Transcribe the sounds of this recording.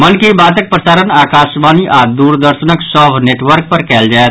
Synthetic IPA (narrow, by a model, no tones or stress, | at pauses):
mənkibaːt̪ək̚pɾəsaːɾənaːkaːʃmaːniʔaːd̪uːɾd̪əɾʃənəksɔbneːʈʋəɾk̚pəɾkɛːld͡ʒaːet̪